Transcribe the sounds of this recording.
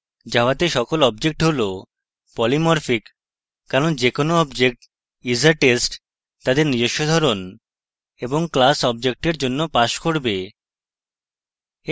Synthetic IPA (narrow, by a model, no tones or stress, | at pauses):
d͡ʑaoat̪eʃɔkolɔb̚d͡ʑek̚ʈɦolo | pɔlimɔɾfikː | aɾond͡ʑekonoɔbd͡ʑek̚ʈ | izaɾʈesʈ | t̪ad̪eɾnid͡ʑoʃːod̪ʱaɾon | eboŋklasɔb̚d͡ʑek̚ʈeɾd͡ʑonːopaʃkoɾbe